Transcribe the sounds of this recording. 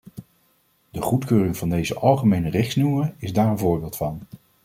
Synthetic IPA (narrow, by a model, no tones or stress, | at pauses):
dəχutkøːrɪŋvɑndejzəʔɑlˠχəmejnərɪχsnuːəɪzdaːɹənvʊːɹbɪːlˠtfɑn